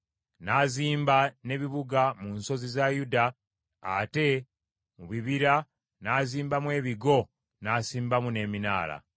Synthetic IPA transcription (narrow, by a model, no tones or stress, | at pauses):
naːziːmbane̞βiβuɡamunso̞zizajudaː | te̞ | muβiβiɾa | naːziːmbamwe̞ːβiɡo̞ | naːsiːmbamune̞ːmina̰ːla̰